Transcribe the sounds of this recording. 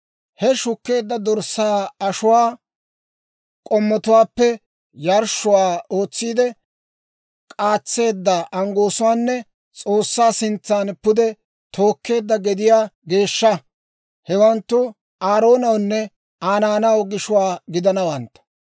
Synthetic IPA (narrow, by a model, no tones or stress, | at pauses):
hɛʃʊkːe̞ːd̪ːɐd̪ɔɾsaːɐʃʊwaː | kʼɔmːɔt̪ʊwaːpːɛ | jɐɾʃʊwaːoːt͡sːiːd̪ɛ | kʼaːt͡sːe̞ːd̪ːɐʔɐŋɡoːsʊwaːnːɛ | t͡sʼo̞ːsːaːsɪnt͡sːaːnpːʊd̪ɛ | t̪ʰo̞ːkːe̞ːd̪ːɐɡɛd̪ɪjaːɡe̞ːʃːɐ | hɛwɐnt̪ːʊ | aːɾo̞ːnɐwnːɛ | aːnaːnɐwɡɪʃʊwaːɡɪd̪ɐnɐwɐnt̪ːɐ̥